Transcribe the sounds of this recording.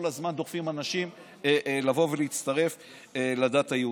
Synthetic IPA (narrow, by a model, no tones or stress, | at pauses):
olazmand̪o̞ʁfimanaʃim | elavo̞veliit͡st̪aʁe̞f | eladaːthajeu